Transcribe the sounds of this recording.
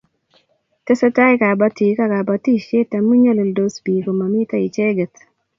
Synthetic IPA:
te˦sə˦ta˦i˦ka˨ba˦ti˨ka˦ka˨ba˨ti˦ʃe˦ta˨mu˦ɲa˦le˨ldo˦sbi˨ko˨ma˨mɪ˦ta˦i˨t͡ʃe˦ɡə˨t

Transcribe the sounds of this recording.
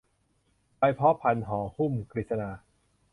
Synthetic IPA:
pa˧jpʰɔː˦˥pʰa˧nɦɔː˩˦hu˥˩mkɾi˨˩sa˧naː˧

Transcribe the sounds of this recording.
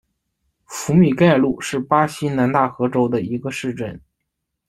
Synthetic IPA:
fu˧˥mi˨˩ka˥˧ɪlu˥˧˩ʂɻ̩˥˩pa˥ɕi˥na˧˥nt̪a˥˩xɤ˧˥ʈ͡ʂo˥ʊd̪ə˨i˧˥ɡə˧ʂɻ̩˥˧ʈ͡ʂə̰˥˩n

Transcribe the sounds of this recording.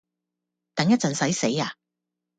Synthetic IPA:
t̪ɐ˨˥ŋjɐ˥t̚t͡sɐ˨˩nsɐ˨˥jse˨˥jaː˨˧

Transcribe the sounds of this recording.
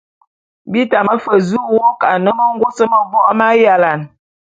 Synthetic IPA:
bi˦ta˨mə˦fə˨zu˦˨wo˦ka˨nə˦mə˦ŋ̩˦ɡo˦sə˦mə˨bɔ˦ʔma˦ja˨la˨n

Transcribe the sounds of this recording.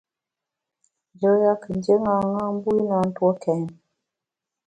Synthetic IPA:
d͡ʒə˨˦ja˦kə˨nd͡ʒe˦ŋa˨ŋa˦m˦bu˦i˦na˨˦n̩˦twɔ˦kɛ˨˦n

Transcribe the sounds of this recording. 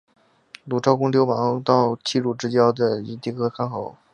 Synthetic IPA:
lu˨˩ʈ͡ʂʰɑ˥ʊkʊ˥ŋljo˧˥ʊmɑ˧˥ŋt̪ɑ˥˧ʊt͡ɕʰi˥˧ɻu˥˩ʈ͡ʂɻ̩˥t͡ɕjɑ˥ʊd̪ə˨i˧˥t̪i˥˩kʰɤ˥kʰa˥nxo˧˥˦ʊ

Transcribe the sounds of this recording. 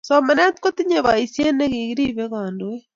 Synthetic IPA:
somɛ˨nɛ˦tko˦ti˦ɲeβa˨i˨sje˦ne˦ɣi˨ɣiɾi˦βe˦ɣaːndowe˦

